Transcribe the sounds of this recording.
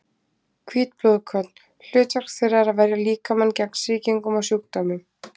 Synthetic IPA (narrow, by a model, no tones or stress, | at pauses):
kʰviːt̪̚plɔðkʰœt̪n̥ | l̥ʏːtar̥ksθɛɾaɾavɛɾjaliːkamancɛkn̥sɪːciŋkʏmawsjukt̪ɔmɪ